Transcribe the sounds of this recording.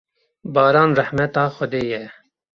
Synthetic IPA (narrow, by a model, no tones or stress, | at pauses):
bɑːɾɑːnrɛħmɛt̪ɑːxɔd̪eːjɛ